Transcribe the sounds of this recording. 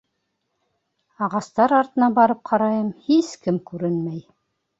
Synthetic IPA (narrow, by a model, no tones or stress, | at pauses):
ɑʁɑst̪ɑɾɑɾt̪ɤ̆nɑbɑɾɤp̚qʰɑɾɑjɤmhiskɘmkʉɾɘnmæj